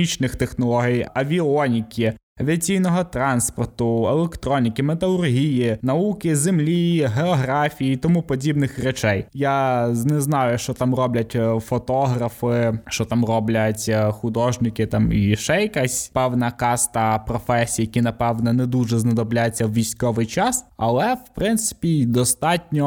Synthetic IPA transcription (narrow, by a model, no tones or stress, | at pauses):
it͡ʃnɪxt̪exnɔlˠɔɦʲijɐʋʲiɔnʲikʲi | ɐʋʲiɐt͡sʲijnɔɦɔt̪ɾɑnspɔrt̪ʊɛlˠekt̪ɾɔnʲikʲɪmet̪ɐlˠʊrɦʲijinɐukɪzemlʲiɦeɔɦɾɑfʲijiit̪ɔmupɔdʲibnɪxrɛt͡ʃɛjjanɛznɑjʊʃt͡ʃɔt̪ɑmrɔblʲɐtʲfɔt̪ɔɦɾɐfɪʃt͡ʃɔt̪ɑmrɔblʲɐtʲxʊd̪ɔʒnɪkɪt̪ɑmiʃɛjɐkasʲpɛwnɐkɑst̪ɐpɾɔfɛsʲijijɐkʲinɐpɛwnɔnɛd̪uʒɛznɐd̪ɔblʲajet͡sʲːɐwʋʲijsʲkɔʋɪjt͡ʃɑsɐlˠɛwpɾɪnt̪sɪ̥pʲid̪ɔst̪ɑtʲnʲɔ